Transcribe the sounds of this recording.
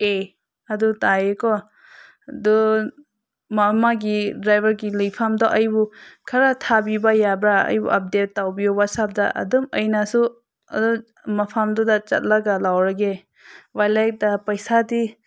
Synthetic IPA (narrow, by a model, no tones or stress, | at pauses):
e | ɐdutajekɔ | dɔ | mamaɡidɾajbaɾɡilijpʰamdɔʔəjbukʰaɾatʰabibajabɾaə̰jbṵap̚detːawbiɔbasap̚daʔɐ̰duməjnasu | ɐ̰du | mapʰamdɔdat͡ʃɐ̰t̚laɡalawɾaɡe | wajlajk̚dapɐjsadi